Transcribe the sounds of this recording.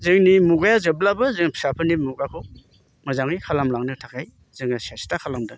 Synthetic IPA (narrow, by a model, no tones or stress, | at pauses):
zɯŋnimuɡajazɯblabɯzɯŋpʰi̥sapʰɯnimuɡakʰɯ | mazaŋikʰalamlaŋnɯtʰakʰaj | z̥ɯŋasastakʰalamdɯ